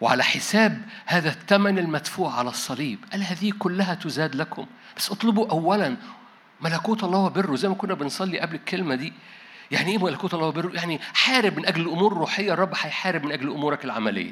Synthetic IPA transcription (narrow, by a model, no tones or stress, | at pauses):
weʕa̰læħesæːbhæːðæt̪ːæmænelmæd̪fuːʕʕalæsˤːɑliːbʔælhæːðiːkolːæɦæt̪ʊzæːd̪lækʰom | b̥æsːʔɑt̪ˤlɑbuʔæwːælæn | mælækuːt̪ʔɑlːˤɑːhowæberːuzæjmækonːæbensˤɑlːiʔæblekːelmæd̪iː | jaʕniʔeːmælækuːt̪ʔɑlˤːhowæberːojaʕniħaːɾɪbmɪnʔæɡlelʔomuːɾrːuːħejːrˤːɑbːħajħaːɾɪbmɪnʔæɡlʔomuːɾˤækelʕa̰mælḛjːæ̰